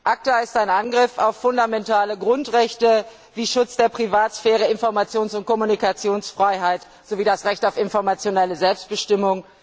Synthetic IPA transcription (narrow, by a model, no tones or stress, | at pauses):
ʔak̚tɛɪstaɪnʔanɡʁɪfa̰ʊfːʊndamɛntʰaːləɡʁʊntʁɛçtə | viːʃʊt͡sd̥eːɐpʁ̥ivaːtsfɛːʁ̞əɪnfɔɐmat͡sjoːnsʊnt̚kʰɔmunikat͡sjoːnsfʁ̥aɪɦaɪt | z̥oviːdasʁɛçtaʊfɪnfɔɐmat͡sjonɛləzɛlpst̚b̥əʃtɪmʊŋ